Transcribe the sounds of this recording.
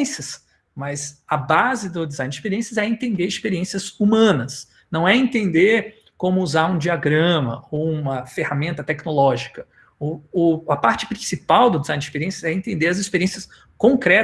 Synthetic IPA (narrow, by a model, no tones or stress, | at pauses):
sɐs | mɐzɐbazɪd̪ʊd̪ɪzãjnd͡ʒispeɾiẽsɐzɛẽnt̪ẽnd̪eɾɪspeɾiẽsiɐzumɐ̃nɐs | nɐ̃w̃ɛẽnt̪ẽnd̪eɾ | kõmʊuzaɾũd͡ʒiaɡɾɐ̃mɐ̰owũmɐfehamẽnt̪ɐt̪ɛknolɔʒikɐ | ʊʊɐpaɾt͡ʃɪpɾĩsipawd̪ʊd̪ɪzãjnd͡ʒispeɾiẽsɐzɛẽnt̪ẽnd̪eɾɐzispeɾiẽsiɐs | kõŋkɾɛ